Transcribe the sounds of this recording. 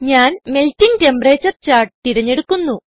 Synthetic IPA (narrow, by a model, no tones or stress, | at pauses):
ɲaːnmeltiŋɡte̞mpɐreːt͡ɕːɐrt͡ɕaːrʈt̪iɽɐɲːe̞ɽukːunːu